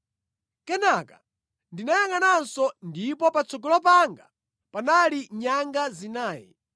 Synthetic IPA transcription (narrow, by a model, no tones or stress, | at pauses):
kɛnakḁ | ndinajaŋanansɔndipɔpat͡sɔɡɔlɔp̬aŋɡa | panaliɲaŋɡazinaːjɛ̰